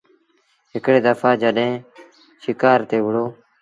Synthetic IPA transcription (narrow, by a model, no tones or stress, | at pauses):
ɦɪkɽeːd̪əfʰaːd͡ʒəɗɦẽː | ʃɪkaːɾt̪eːʋɪɽoː